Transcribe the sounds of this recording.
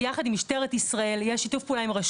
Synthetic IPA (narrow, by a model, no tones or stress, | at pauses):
jaχad̪imiʃteʁet̪isʁae̞ljeʃitufpuːlaimʁaʃ